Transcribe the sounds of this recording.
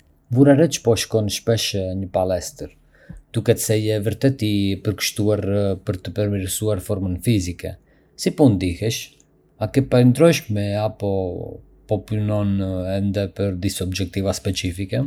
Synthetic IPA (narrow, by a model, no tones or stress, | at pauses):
vuɾaɾɛt͡ʃpɔʃkɔnʃpɛʃɲəpalɛst̪əɾ | d̪̥ukɛt̪sɛjɛvəɾt̪ɛt̪ipəɾkə̥ʃt̪uaɾpəɾt̪əpəɾmiɾsuaɾfɔɾmənfizikɛ | sipund̪ihɛʃ | akɛpaɾnd̪ɾɔʃmɛapɔ | pɔpunɔnɛnd̪ɛpəɾd̪isɔbd͡ʒɛk̚t̪ivaspɛt͡ʃifikɛ